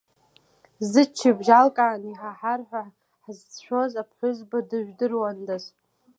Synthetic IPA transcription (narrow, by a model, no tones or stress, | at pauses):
zɨt͡ʃʰːibʒalkʼaːniħaħarħᶣʷa | ħzt͡sʃʷᶣo̞zapʰħʷʊzbadɨʒᶣdɨrwandaz